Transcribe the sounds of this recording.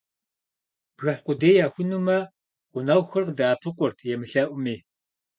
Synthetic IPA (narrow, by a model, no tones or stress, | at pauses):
b̥ʒɐħqʷʊdeːjaːxʷʊnumɐ | qʷʊnɐwxɨrqdaːpʰɨqʷʊrtʰjɛmɨɬɐʔʷʊmiː